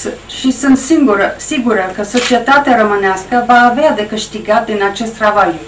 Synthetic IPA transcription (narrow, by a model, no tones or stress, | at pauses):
ʃisɨnt̪siŋɡuɾəsiɡuɾəkəso̞t͡ʃie̞t̪at̪eaɾəmɨneaskəvaːvead̪e̞kɨʃt̪iɡat̪̚d̪inat͡ʃe̞st̪ɾaval